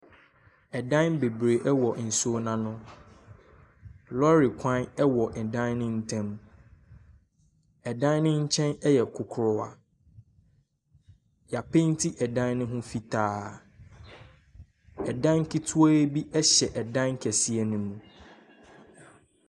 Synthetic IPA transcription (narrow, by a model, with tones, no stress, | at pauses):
ɛ˨dã˦nbe˨bɾe˨ʔɛ˦wɔ˨n̩˨so˦nã˨nʊ̃˦ | lɔ˦ɾi˨kʷʰã˦nɛ˦wɔ˨ɛ˨dã˦nnɪ̃˦n̩˦tʰɛ̃˦m | ɛ˨dã˦nnɪ̃˦ɲ̩˦t͡ɕʰɛ̃˦nɛ˦jɛ˨kʰʊ˨kʰʊ˦ɾʊ˦wa̰˨ | ja˨pẽ˦n˦tʰi˦ʔɛ˨dã˦nnʊ̃˦ɦʊ̃˦fi˦tʰaː˦ | ɛ˨dã˦n˦kʰi˦tʰu˦a˦bi˦ʔɛ˦ɕɛ˨ʔɛ˨dã˦nŋ˦kʰɛ˨si˦ɛ˨nʊ̃˨mũ˨